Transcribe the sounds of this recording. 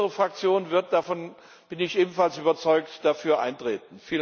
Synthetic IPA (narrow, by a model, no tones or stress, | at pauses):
əʁəfʁ̥ak̚t͡sjoːnvɪɐt̚d̥afɔn | b̥ɪnɪçʔeːbn̩falsʔyːbɐt͡sɔʏktd̥afyːɐʔa̰ɪntʁ̥eːt̚n̩fiːl